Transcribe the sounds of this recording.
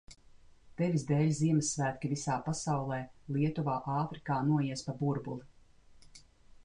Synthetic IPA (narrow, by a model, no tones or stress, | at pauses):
t̪evizd̪eːlʲziɛmɛsːvæːt̪̚kʲivisaːpasawlˠɛːlˠiɛt̪uvaːʔaːfɾikaːnuɔjiɛspabuɾbulˠi